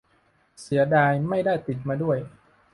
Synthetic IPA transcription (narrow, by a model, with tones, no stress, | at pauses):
si˩˦ɐdaː˧jma˥˩jdaː˥˩jt̪i˨˩t̪̚maː˧du˥˩əj